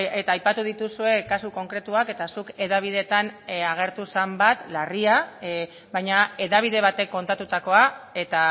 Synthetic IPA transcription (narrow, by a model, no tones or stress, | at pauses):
e̞t̪aːjpat̪uð̞it̪usue̞kasuko̞ŋkɾe̞t̪uake̞t̪asuke̞ðaβ̞iðe̞t̪anaɣ̞e̞ɾt̪usambat̪laria | bajɲae̞ðaβ̞iðe̞β̞at̪e̞kːo̞nt̪at̪ut̪ako̞ae̞t̪a